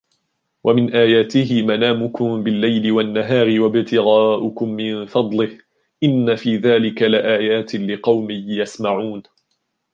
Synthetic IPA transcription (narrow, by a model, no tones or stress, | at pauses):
wʔamɪnʔaːjaːt̪ɪɦɪmanaːmʊkʊmbɪlːajlɪwanːaɦaːɾɪwabɪt̪ɪɣaːʔʊkʊmːɪnfɑd̪ˤlɪh | ʔɪnːafiːðaːlɪkalɪʔaːjaːt̪ɪlɪqɑwmɪjjasmaʕuːn